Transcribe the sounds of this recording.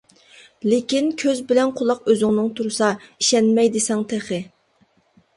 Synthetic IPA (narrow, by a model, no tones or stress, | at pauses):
lɪkʲinkʲʰøzbɪlɛnqʰʊlˠɑqøzɪŋnɨŋt̪ʰuɾsɑiʃɛnmɛjd̪ɪsɛŋt̪ʰeχɪ